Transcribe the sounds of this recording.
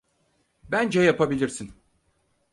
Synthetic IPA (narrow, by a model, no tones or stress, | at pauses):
bænd͡ʒɛjapʰabilʲiɾsin